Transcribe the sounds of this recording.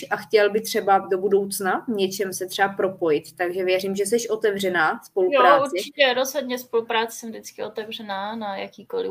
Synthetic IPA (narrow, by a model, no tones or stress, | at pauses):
ʔaxcɛlbɪt̪r̥ɛbado̞budo̞wt͡snavɲɛt͡ʃɛmsɛt̪r̥ɛapɾo̞po̞jɪt̪ːaɡʒɛvjɛriːmʒɛs̬ɛʃʔo̞t̪ɛvrɛnaːspo̞lujoɾaːuɾt͡sɛt͡ʃɪcɛɾozɦod̪ɲɛspolupɾaːt͡sɛ̥sɛmvdɪt͡skɪʔot̪ɛvr̝ɛnaːnajakiːkolɪ